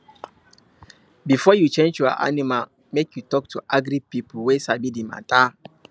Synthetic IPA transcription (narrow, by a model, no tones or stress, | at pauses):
bifɔjut͡ʃẽnd͡ʒjɔa̰ʔa̰nima | mekʰjutɔk̚tʰuʔaɡɾipipwesabidimã̰ta